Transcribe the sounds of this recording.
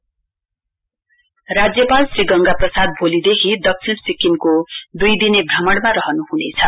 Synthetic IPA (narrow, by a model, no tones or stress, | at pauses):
rad͡zjʌpalsriɡʌŋɡaprʌsad̪̚bʱolid̪ekʰid̪ʌk̚t͡sʰilsikinkod̪ujd̪inebʱrʌmʌɽmaɾʌɦʌnuɦunet͡sʰʌ